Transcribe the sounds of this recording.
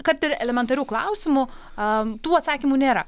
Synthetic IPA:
kɐt̪ɪɾɛlʲɛmʲɛnt̪ɐɾʲuːklˠɐʊsʲɪmʊ | t̪uːɐt̪sɑːkʲimunʲeːɾɐ̰

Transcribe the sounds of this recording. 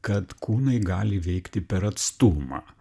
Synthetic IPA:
kɐt̪kʰuːnɐɪɡɑːlʲɪʋʲɛɪkt̪ʲɪpʲɛɾɐt̪st̪uːmɑ̰

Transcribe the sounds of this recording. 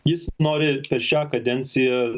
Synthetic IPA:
jɪsnoːɾʲɪpʲɛɾʃʲaːkɐd̪ʲɛnʲt̪sʲɪjɛ

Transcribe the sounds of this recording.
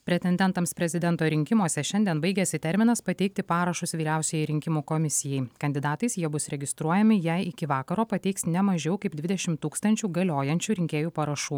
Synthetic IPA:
pʲɾʲɛt̪ʲɛnʲd̪ʲɛnt̪ɐmspʲɾʲɛzʲɪd̪ʲɛnt̪oːɾʲɪŋʲkʲɪmuɔsʲɛʃʲɛnʲd̪ʲiɛnbɐɪɡʲeːsʲɪt̪ʲɛɾʲmʲɪnɐspɐt̪ʲɛɪkt̪ʲɪpɑːɾɐʃʊsʋʲiːɾʲæˑʊsʲɛjɛɪɾʲɪŋʲkʲɪmuːkomʲɪsʲɪjɛɪkɐnʲd̪ʲɪd̪ɑːt̪ɐɪsjiɛbʊsɾʲɛɡʲɪst̪ɾuɔjɛmʲɪjæˑɪɪkʲɪʋɑːkɐɾoːpɐt̪ʲɛɪksnʲɛmɐʒʲɛʊkɐɪpd̪ʲʋʲɪd̪ʲɛʃʲɪmt̪uːkst̪ɐnʲt͡ʃʲuːɡɐlʲoːjɛnʲt͡ʃʲuːɾʲɪŋʲkʲeːjuːpɐɾɐʃuː

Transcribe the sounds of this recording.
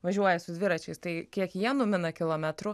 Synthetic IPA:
ʋɐʒʲuɔjɛsʊd̪ʲʋʲɪɾɐt͡ʃʲɛɪst̪ɐɪkʲiɛkjiɛnʊmʲɪnɐkʲɪlˠoːmʲæt̪ɾʊ

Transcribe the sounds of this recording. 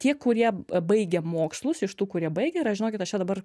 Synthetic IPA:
t̪ʲiɛkʊɾʲiɛbɐɪɡʲɛmoːkslˠʊsɪʃt̪uːkʊɾʲiɛbɐɪɡʲɛɪɾɐʒʲɪnoːkʲɪt̪ɐʃt͡ʃʲɛd̪ɐbɐr

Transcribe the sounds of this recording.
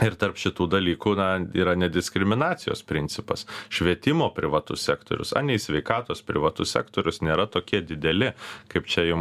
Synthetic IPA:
ɪɾt̪ɐrpʃʲɪt̪uːd̪ɐlʲiːkuːnɐiːɾɐnʲɛd̪ʲɪsʲkɾʲɪmʲɪnɑːt̪sʲɪjo̰ːspʲɾʲɪnʲt̪sʲɪpɐsʃʲʋʲiɛt̪ʲɪmoːpʲɾʲɪʋɐt̪ʊssʲɛːkt̪o̰ːɾʲʊ̰sɐ̰nʲɛɪsʲʋʲɛɪkɑːt̪oːspʲɾʲɪ̰ʋɐt̪ʊsʲsʲɛ̰ːkt̪oːɾʲʊsnʲeːɾɐt̪oːkʲiɛd̪ʲɪd̪ʲɛlʲɪkɐɪpt͡ʃʲɛjʊm

